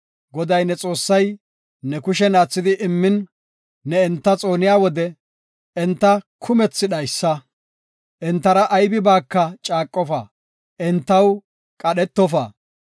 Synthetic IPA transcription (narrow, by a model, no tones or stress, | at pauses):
ɡɔd̪ɐjnɛt͡sʼo̞ːsːɐj | nɛkʊʃɛnaːt͡sːɪd̪ɪʔɪmːɪnː | ɛɛnt̪ːɐt͡sʼo̞ːnɪjaːwɔd̪ɛ | ɛnt̪ːɐkʰʊmɛt͡sːɪɗɐjsːɐ | ʔɛnt̪ːɐɾɐʔːjbɪbaːkːɐt͡ʃʼaːkʼːɔfaː | ʔɛnt̪ːɐw | kʼɐɗɛt̪ːɔfa̰ː